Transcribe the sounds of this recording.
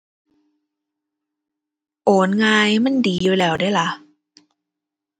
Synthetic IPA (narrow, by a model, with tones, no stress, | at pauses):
ʔoː˨˦nŋaː˧jma˧˥˨ndiː˨juː˧˦lɛː˨˩wdaː˥˩jla˧˦